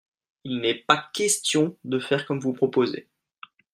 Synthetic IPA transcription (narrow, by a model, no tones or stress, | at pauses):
ilnɛpakʲɛst̪jɔ̃d̪əfɛʁkɔmvupχɔpozḛ